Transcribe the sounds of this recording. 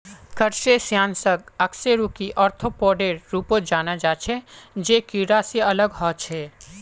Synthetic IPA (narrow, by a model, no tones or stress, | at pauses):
kəɾsesjaːnsəɡɐkseɾuːkiʔɔːɾt̪ʰopɔːɖeɾːuːpod͡ʒaːnad͡ʒaːt͡ʃʰed͡ʒeːkiɾaseɐləɡɦɔːt͡ʃʰɛː